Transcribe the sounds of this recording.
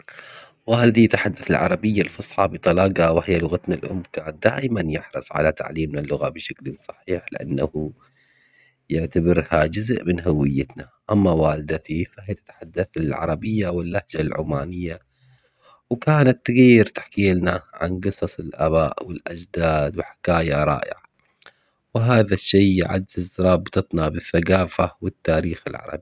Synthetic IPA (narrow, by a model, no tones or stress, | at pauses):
waːld̪it̪aħad̪ːaθɪlʕɑ̰ɾˤɑbɪjːalfɑsˤħɑbɨt̪ˤɑlɑːqɑwɪhɪjːalʊɣat̪nalʔʊ̰mːkaːnat̪̚d̪aːʔɪmanjɪħɾɨsˤʕa̰lat̪a̰ʕliːmnalːʊɣabɪʃaklɪsˤɑ̥ħiːħlɪʔa̰nːahu | jʊʕt̪abɪɾhad͡ʒʊzʔmɪnɦawɪjːɪt̪naʔamːawaːlɪd̪at̪ifahɪjt̪ɪ̥t̪ħad̪ːaθɪlʕɑ̰ɾˤɑbɪjːawɪlːahd͡ʒalʕʊ̰maːnɪjːa | wkaːnat̪ːɪɣijːɪɾt̪ḁħkiːlnaʕa̰nɡɨsˤɑsˤɪlʔa̰βaːʔwɪlʔad͡ʒd̪aːd̪wħḁkaːjaɾˤɑ̰ːʔɪ̰ʕa | wɦaːðaʃːiːjʕa̰dzɪzːɑɾˤɑːbt̪ɨt̪ˤnabɪθːaɡaːfawɪt̪ːaːɾiːxɪlʕɑ̰ɾˤɑ̰bi